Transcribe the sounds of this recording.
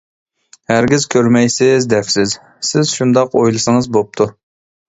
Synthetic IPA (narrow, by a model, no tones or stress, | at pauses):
hæɾɡʲizkʲʰøɾmɛjsɪzd̪ɛfsɪz | sɪzʃund̪ɑqojlˠɨsɨŋəzbop̚t̪ʰu